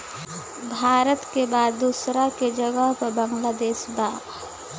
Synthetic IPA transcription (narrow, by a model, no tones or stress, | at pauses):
bʱaːɾət̪kebaːd̪ːuːsɾaked͡ʒəɡəɦpɐɾbɐ̃ŋɡlaːd̪eːʃbaː